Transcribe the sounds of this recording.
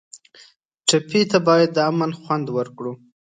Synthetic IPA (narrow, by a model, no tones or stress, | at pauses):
ʈapit̪abɑjad̪ːəamanxwand̪wəɾkɽu